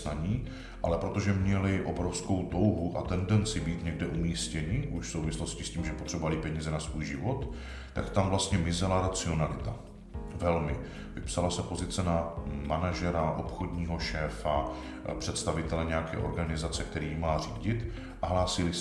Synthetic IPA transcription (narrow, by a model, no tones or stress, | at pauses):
naɲiː | ʔalɛpɾo̞t̪o̞ʒɛmɲɛlɪʔo̞bɾofsko̞wt̪o̞wɦuʔa̰t̪ɛndɛnt͡sɪbiːt̪ɲɛɡdɛʔumiːscɛɲɪʔuʃfsowvɪslo̞scɪsciːmʒɛpo̞t̪r̥ɛbovalɪpɛɲiːzɛnasvuːjʒɪvo̞t̪ | t̪ːakt̪amvlast̪ɲɛmɪzɛlaɾat͡sɪo̞nalɪt̪a | vɛlmɪ | vɪpsalasɛpo̞zɪt͡sɛnamanaʒɛɾaʔo̞pxo̞dɲiːɦo̞ʃɛːfa | pr̥ɛt̪st̪avɪt̪ɛlɛɲɛjakɛ̰ːʔo̞̰ɾɡanɪzat͡sɛk̚t̪ɛɾiːmaːriːɟɪt̪ | ʔaɦlaːsɪlɪ